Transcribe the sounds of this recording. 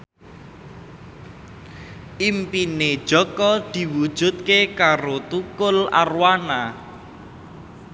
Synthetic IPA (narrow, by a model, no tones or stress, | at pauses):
ʔimpine̥ʒ̥ɔ̤kɔd̪̥i̤wud̥ʒ̥ṳt̪̚kekaɾot̪ukʊla̰rwana